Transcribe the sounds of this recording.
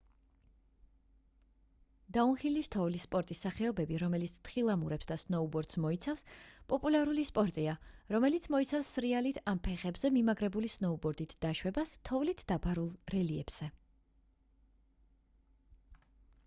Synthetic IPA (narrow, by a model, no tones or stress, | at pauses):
d̪̥aunχilist̪ʰɔvlispʼɔɾt̪ʼisːaχɛɔbɛbiɾɔmɛlit̪sʰt̪ʰχilˠamuɾɛpsd̪asnɔubɔɾd̪̥smɔit̪sʰafspʼɔpʼulˠaɾulispʼɔɾt̪ʼiaɾɔmɛlit̪sʰmɔit̪sʰafsːɾialit̪ʰampʰɛχɛbzɛmimaɡɾɛbulisnɔubɔɾd̪it̪ʰd̪̥aʃwɛbast̪ʰɔvlit̪ʰd̪abaɾulˠɾɛliɛb̥z̥ɛ